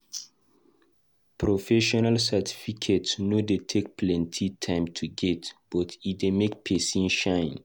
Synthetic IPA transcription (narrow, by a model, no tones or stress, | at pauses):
pʰɹɔfɛʃɔnalsɛtʰi̥fikʰetsnodetʰek̚pʰlɛ̃ntʰitʰãɪ̃mtʰuɡɛtb̥ɔtidemek̚pʰɛsĩnʃãɪ̃n